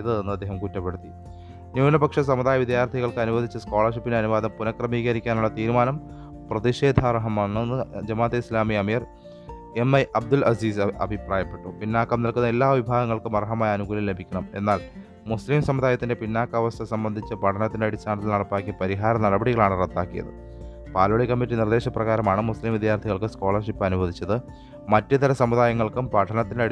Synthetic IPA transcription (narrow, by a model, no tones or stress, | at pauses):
t͡ɕejðɐðenːuɐd̪ːeːɦɐmkutːɐpːeɽut̪ːi | njuːnɐbɐkʂɐs̬ɐmuðaːjɐʋid̪jaːrt̪ʰiɣɐɭkɨɐnuʋɐd̪ʱit͡ɕːɐsko̞ːɭɐrʂipːineɐnuʋaːd̪ɐmpunɐkrɐmiːɣɐɾikʲːaːnuɭːɐt̪iːɾumaːnɐm | prɐðiʂe̞ːd̪ʱarɐɦɐmɐnːunːɨd͡ʑɐmaːd̪ɐislaːmiɐmiːr | e̞mːɐjʔɐb̚d̪ulʔɐsiːsɐbʱipraːjɐpːe̞ʈːupinːaːkːɐmnilkunːɐelːaːʋibʱaːɣɐŋːɐɭkɨmɐrɐɦɐmaːjɐɐnuɡuːlilːe̞bʱikʲːɐɳɐme̞̰nːaːl | muslimsɐmːuðaːjɐt̪ːinde̞pinːaːkːɐɐʋɐst̪ʰɐsɐmbɐnd̪ʱit͡ɕːɐpɐʈʰɐnɐt̪ːindeɐɽit͡ɕːaːɳɐt̪ːilnɐɽɐpːaːkʲːjɐpɐɾiɦaːɾɐnɐɽɐbɐɽiɣɐɭaːɳɨret̪ːaːkːijɐ̰ðɨ̰ | paːloɭikːɐmːitːinird̪e̞ːɕɐprɐɣaːɾɐmaːɳɨmuslimʋid̪ʱjaːrt̪ʰiɣɐɭkɨskoːɭɐrʂipːɐnubɐd̪ʱit͡ɕːɐðɨ | mɐtːɨt̪ɐɾɐsɐmːuðaːjɐŋːɐɭkumpɐʈʰɐnɐt̪ːineɐɽ